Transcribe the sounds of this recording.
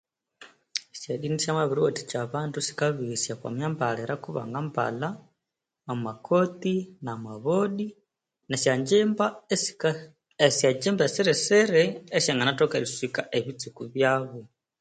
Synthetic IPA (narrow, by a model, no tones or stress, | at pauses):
seɗinisamaβiɾuoti̥t͡ʃaβaːndusi̥kaβisjakwa̰mjambaleɾakuβa̰ŋɡampa̰la | amakʰot̪inamaβoɗi | nasjad͡ʒemba | esad͡ʒembaseɾeseɾeːʃaŋɡanatokaβiswikaʔeβit͡sikuβjaβu